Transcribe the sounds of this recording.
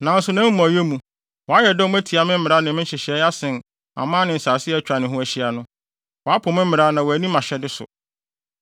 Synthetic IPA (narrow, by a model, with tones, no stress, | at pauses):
nã˨˦n̩˦sʊ˨nã˦m̩˦mã˨jɛ˦mũ˨ | wɔ˨a˦jɛ˨dɛ˦æ˦tʰi˨a˨mɪ̃˦m̩˦mɪ̃˨ɾa˦nɪ̃˨mɪ̃˦ɕɪ˨ɕi˨ɛ˦a˦sɪ̃˨n | a̰˨mãː˦nɪ̃˨n̩˨saː˨sɪ˦ɛ˦t͡ɕᶣa˨nɪ̃˨ɦʊ̃˦æ˨ɕi˦a˨nʊ̃˦ | wɔ˨a˦pʰʊ̃˨mɪ̃˦m̩˦mɪ̃˨ɾa˦nã˨wɔ˨æ˨nĩ˦mã˨ɕɛ˦dɪ˦sʊ̰˨